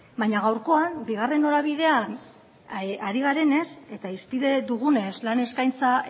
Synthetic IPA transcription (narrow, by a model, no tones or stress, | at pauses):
baɲaɣawɾko̞anbiɣ̞are̞no̞ɾaβiðe̞an | aɾiɣ̞aɾe̞ne̞se̞t̪aispiðe̞ðuɣune̞slane̞skajnt͡sa